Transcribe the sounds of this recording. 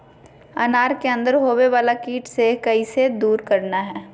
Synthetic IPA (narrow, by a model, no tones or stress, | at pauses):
ɐnaːɾkeɐ̃nd̪əɾɦoːweʋaːlakiːʈsekɐised̪uːɾkɐɾnaɦɛː